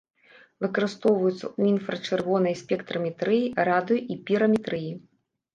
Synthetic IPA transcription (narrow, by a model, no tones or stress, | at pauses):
vɨkɐɾɨst̪ɔwvɐjut̪sːɐ̰uinfɾɐt͡ʂɨrvɔnɐjsʲpʲɛkt̪ɾɐmʲɛt̪ɾɨjirad̪ɨjuʔipʲiɾɐmʲɛt̪ɾɨji